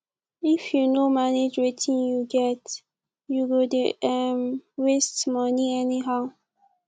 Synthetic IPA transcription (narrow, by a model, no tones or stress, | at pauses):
ifjunomaned͡ʒwetʰĩnjuɡɛt | juwedɛmwestmʌniɛniɦaʊ